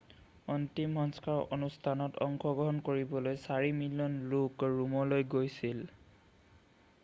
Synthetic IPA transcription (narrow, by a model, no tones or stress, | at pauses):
ɔntimɦɔnskaɹo̰nustʰanɔtɔ̰ŋkɔɡɹɔɦɔnkoɹibɔlojsaɹimilijɔnlukɹumɔlojɡojsil